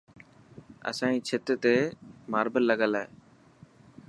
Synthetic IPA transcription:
ə̰sãːĩːt͡ʃʰɪt̪ət̪eːmaːɾbʱəllːəɠəlaːeː

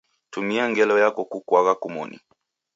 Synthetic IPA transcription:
tumiaŋɡɛlɔjakɔkukwaɣakumɔ̰nḭ

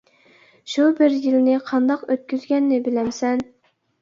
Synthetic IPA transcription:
ʃubɪɾjilnɪqʰɑnd̪ɑqøt̪̚kʲyzɡʲɛnːɪbɪlɛmsɛn

